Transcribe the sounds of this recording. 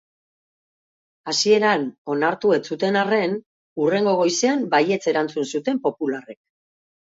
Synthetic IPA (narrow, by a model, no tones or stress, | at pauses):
asie̞ɾano̞naɾt̪ue̞t͡sut̪e̞nare̞n | ure̞ŋɡo̞ɣ̞o̞jseambaje̞t͡se̞ɾant͡sunsut̪e̞mpo̞pulare̞k̚